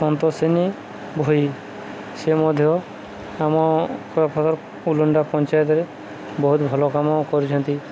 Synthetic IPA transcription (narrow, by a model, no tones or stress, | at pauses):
sɔnt̪ɔseni | bʱoi | semɔd̪ʱjɔ | amɔkɔpʰɔt̪ɔɾ | uluɳɖapɔnt͡ʃajɔt̪̬ɔɾe | bɔɦut̪bʱɔlɔkamɔkɔɾit͡ʃʰɔnt̪i